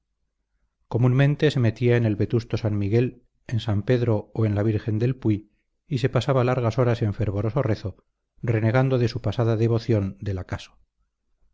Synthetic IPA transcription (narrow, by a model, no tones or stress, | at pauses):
ko̞munmẽ̞nt̪e̞se̞me̞t̪iaene̞lβe̞t̪ust̪o̞sanmiɣe̞l | e̞nsampe̞ðɾo̞oe̞nlaβiɾxe̞nd̪e̞lpwi | ise̞pasaβalaɾɣ̞aso̞ɾase̞ɱfe̞ɾβo̞ɾo̞so̞re̞θo̞ | re̞ne̞ɣand̪o̞ðe̞supasaðaðe̞β̞o̞θjond̪e̞lakaso̥